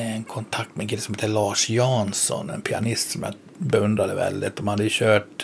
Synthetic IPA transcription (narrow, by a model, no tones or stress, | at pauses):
ɛnkʰɔnt̪ʰakt̪mɛŋkɪlːsɔmheːt̪əlɑːʂjɑːnsɔ̰nɛ̰npʰɪa̰nɪst̪sɔmja̰ | bɛɵnd̪ɾad̪əvɛ̰ld̪ɪ̰t̪̚d̪ɔmhad̪ːəjʉɕøːʈ